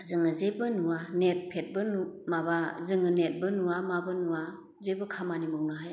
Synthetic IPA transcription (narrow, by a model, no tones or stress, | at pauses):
zɯŋɯzebɯnuwanet̚pʰet̚bɯnumabazɯŋɯnet̚bɯnuamabɯnua | zebɯkʰamanimɯwnɯɦaj